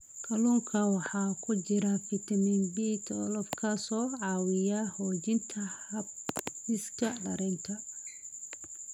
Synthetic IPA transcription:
kʰɐluːŋkʰɐwɑħɑːkʰʊd͡ʒɪɾɐfɪt̪ʰɐminbiːt̪ʰɔlɔfkʰasɔːʕɑːwɪjahɔːd͡ʒɪnt̪ʰɐhɐb̚ɪskʰɐɖɐɾɛnt̪ʰɐ

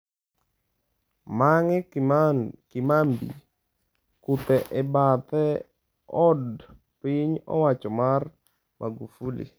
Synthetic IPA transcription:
maŋɛ | kɪmambḭ | kut̪ɛʔɛbat̪ɛ | ɔd | piɲɔ̰wat͡ʃɔmar | mʔa̰ɡufulḭ

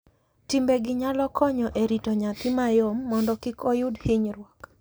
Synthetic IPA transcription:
timbeɡɪɲalɔkʰɔɲɔʔeɾitɔɲat̪ɪmajomːɔndɔkɪkʰɔjʊdhɪɲɾwɔk

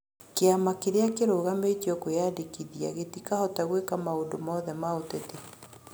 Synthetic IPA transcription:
keamakeɾeakeɾoɣametiɔkojadekiðia̰ɣetikahɔtaɣwekamaondomɔðɛmaotete

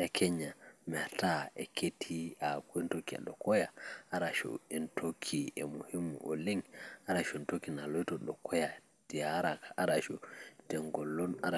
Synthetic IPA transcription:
ʔɛkʰɛɲːamɛataɛkʰetʰiakuɛntokia̰ɗɔkɔjaaɾaʃṵɛntʰokʰiɛmuhimːṵʔɔliŋaɾaʃuɛntokinalɔjtɔɗɔkʰɔja | d̥iaɾakaʔaɾaʃutɛŋɡɔlːɔnaɾa

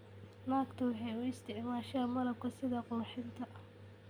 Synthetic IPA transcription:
naːkt̪ʰɐwɑħɑjʊɪst̪ʰɪʕmaːʃɐɐmɐlɐb̚kʰɐsɪðɐqɔːħɪnt̪ʰɐʔ

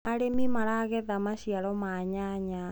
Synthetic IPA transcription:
aɾemimaɾaɣɛðamaʃiaɾɔmaɲaɲa

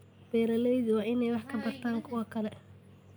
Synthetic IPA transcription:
b̥ɛːɾɐlɛjðɪwɑːʔɪnɛjwɑħkʰɐbɐr̥t̪ʰaːŋkʰʊwɐkʰɐlɛ

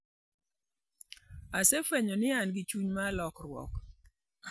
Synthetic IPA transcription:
asefwɛɲɔnɪanɡɪt͡ʃuɲmalɔkɾwɔ̰k

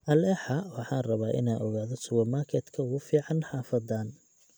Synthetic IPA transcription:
ʔɐlɛħɑwɑħɑːnrɐβaːʔɪ̰naːʔɔɣaːðɔsʊwɐmarkʰɛd̪kʰɐɣʊfiːʕɑnħɑːfɐd̪aːn

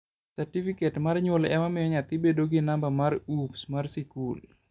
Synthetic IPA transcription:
saɾtifiketmarɲwolɛmamɪjɔɲat̪ɪbedoɡɪnambamaɾupsmarsikul

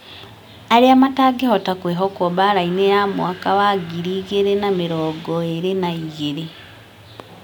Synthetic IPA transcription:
aɾeamataːɡehotakweɦokoβaɾainejamw̰akawaɡiɾiːɣeɾenamiɾoːɡoeɾenaiɣeɾi

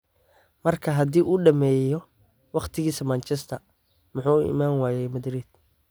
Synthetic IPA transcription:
mɐrkʰɐɦɐd̪iːʔuːɖɐmɛːjɔ | wɑqt̪ʰɪɣiːsɐmɐnt͡ʃɛst̪ʰɐ | mʊħuːʊɪ̰maːnwaːjɛjmɐd̪ɾiːd̪̥̚

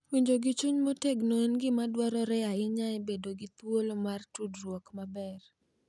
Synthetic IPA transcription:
wiɲd͡ʒoɡit͡ʃuɲmoteɡnonɡɪmadwɔɾɔɾɛaɪɲaɛbedoɡɪt̪wolmartudrwɔkmabɛr

